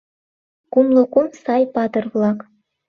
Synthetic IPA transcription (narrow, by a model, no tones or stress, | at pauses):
kumlˠɤ̆kumsɑjpɑd̪ɤ̆rvlˠɑk